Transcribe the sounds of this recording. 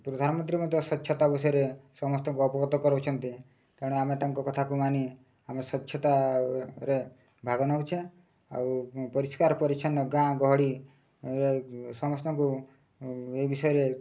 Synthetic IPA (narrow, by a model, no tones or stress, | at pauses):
pɾɔd̪ʱanɔmɔnt̪ɾimɔnd̪jɔsɔtːʃʰɔt̪abɔsɔjɔɾesɔmɔst̪ɔŋkuɔpɔɡɔt̪ɔkɔɾbɔt͡ʃʰɔnt̪i | kaɽ̃amet̪aŋkɔkɔt̪ʰakumani | amesɔtːʃʰɔt̪a | ɾe | bʱaɡɔnaut͡ʃʰe | a̰wpɔɾiskaɾɔpɔɾit͡ʃʰɔnːɔɡãɡɔɦɔɽi | ɾesɔmɔst̪ɔŋku | ebisɔjɔɾe